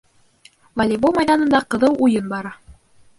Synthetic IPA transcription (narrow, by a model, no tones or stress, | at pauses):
valʲivomɑjðɑnɤ̆nd̪ɑqɤ̆ðɤwʔujɤnbɑɾɑ